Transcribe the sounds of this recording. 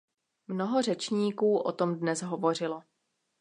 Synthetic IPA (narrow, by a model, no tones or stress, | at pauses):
mno̞ɦo̞r̝ɛt͡ʃɲiːkuːʔo̰t̪o̞mdnɛzɦovo̞r̝ɪlo